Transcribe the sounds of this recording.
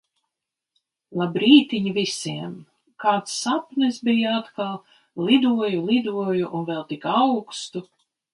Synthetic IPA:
lˠabɾiːt̪iɲivisʲiɛm | kaːt̪sːapnɨsbijaat̪kalˠ | lˠid̪uɔjulˠid̪uɔjuʔunvɛlˠt̪ikawkst̪u

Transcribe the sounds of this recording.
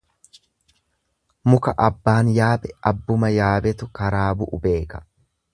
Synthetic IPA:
mʊkɐʔɐbːaːnjaːbɛɐbːʊmɐjaːbɛt̪ʊkɐɾaːbʊʔʊbe̞ːkɐ̥

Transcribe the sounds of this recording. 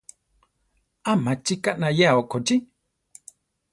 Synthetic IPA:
amat͡ʃikaʔnãjeaokot͡ʃi

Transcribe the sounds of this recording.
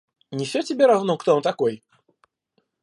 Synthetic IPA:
nʲɪfsʲotʲɪbʲeɾɐvnokt̪oont̪ɐkoj

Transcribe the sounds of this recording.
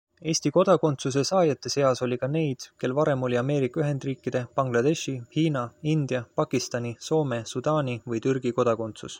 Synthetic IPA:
e̞ːsʲt̪iko̞d̪̥ɑko̞nt̪sus̬e̞sɑːjɑt̪ːˑe̞se̞ɑso̞lʲikɑne̞jd̪̥ke̞lvɑɾe̞mo̞lʲiɑme̞ːɾikːˑɑyɦe̞nd̪riːkˑːid̪̥e̞pɑŋɡ̥lɑd̪̥e̞ʃihiːnɑind̪̥jɑpɑkˑist̪ɑnʲiso̞ːme̞sud̪ɑːnʲivɤjt̪yrɡ̥iko̞d̪̥ɑko̞nt̪sṵs

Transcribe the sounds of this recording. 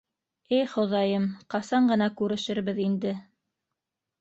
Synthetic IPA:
ɘjχŏðɑjɤmqɑsɑɴɢɤ̆nɑkʉɾɘ̆ʃɘ̆ɾβɘðind̪ɘ

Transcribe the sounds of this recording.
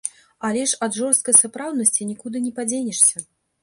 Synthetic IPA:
alʲɛʂɐd̪ʐɔrst̪̚kɐjsapɾawd̪nɐsʲt͡sʲinʲikud̪ɨnʲɛpad͡zʲenʲɛʂsʲɐ

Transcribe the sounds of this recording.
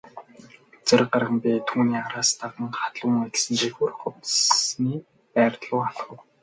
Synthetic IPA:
t͡sĕrɢarʁə̆mpʲit̪ʰuːniːaɾaːst̪ʰaʁə̆ŋχḁt̪ɮʊːŋasɘ̆nʃixurχʊt̪niː | pæːrt̪ɮʊːaɮχə̆w

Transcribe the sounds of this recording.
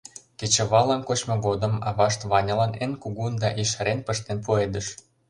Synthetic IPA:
ket͡ɕə̆βɑlɑnkot͡ɕmŏɣod̪ə̆mɑβɑʃt̪βɑnʲɤ̆lɑnenkuɣund̪ɑʔiʃəɾenpə̆ʃt̪enpued̪ə̆ʃ

